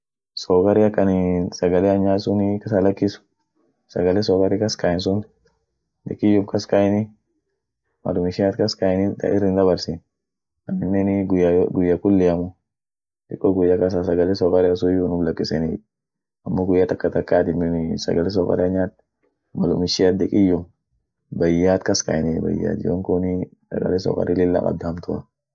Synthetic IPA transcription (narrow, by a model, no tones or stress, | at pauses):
sɔkɐɾɪɐkːɐnɪsɐɡɐlɛɐɲːaːt̪sʊnikɐsɐlɐkːɪsʊ̥ | sɐ̰ɡɐlɛsɔkɐɾɪkɐskajɪns̬ʊn | d̪ɪ̰kːɪjʊmkɐskajɪnɪ | mɐ̰lʊmɪʃɪat̪kɐskajɪnɪnt̪ɐ̰ʔɪ̰rːɪnd̪ɐβɐɾsin | ɐmɪnːɛnɪɡɡʊjːɐkʊlːɪɐmʊ | t̪ɪkʼːɔɡʊjːɐkɐs̬asɐɡɐlɛsɔkʼɐɾɛɐs̬ujunʊblɐkʼːɪsɛnɪ | ɐmːoːɡʊjːɐt̪ɐkːɐt̪ɐkːaːt̪ɪmːɪnɪsɐ̰ɡɐlɛs̬ɔkʼɐ̰ɾɛɲːaːt̪ | mɐlʊmɪʃɪjat̪̚d̪ɛkʼɪjːʊm | bɐjːaːt̪kɐskɐ̰jnɛbɐ̰jːa̰ːt̪joŋkʊnɪsɐ̰ɡɐ̰lɛsɔ̰ːkʼɐ̰ɾɪlɪlːa̰kʼɐ̰b̚d̪aːmt̪ʰʊɐ